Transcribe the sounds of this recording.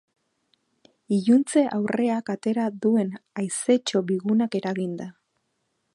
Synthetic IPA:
iʝunt͡se̞ʔawre̞akat̪e̞ɾaðue̞najse̞t͡ʃo̞βiɣunake̞ɾaɣind̪a

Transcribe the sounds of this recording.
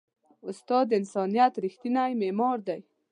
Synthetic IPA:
ʊst̪ɑd̪ːɪnsɑnijat̪ɾixt̪inajmemɑɾd̪aj

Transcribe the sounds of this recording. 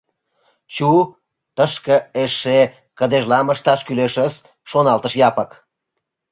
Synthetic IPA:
t͡ɕu | t̪əʃkə̆eʃe | kəd̪eʒlɑməʃt̪ɑʃkyleʃəsː | onɑlt̪əʃjɑpək

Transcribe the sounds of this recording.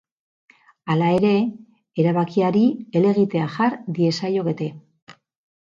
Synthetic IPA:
alae̞ɾe̞ | eɾaβakiaɾie̞le̞ɣ̞it̪e̞aʝaɾd̪ie̞sajo̞ɣe̞t̪e̞

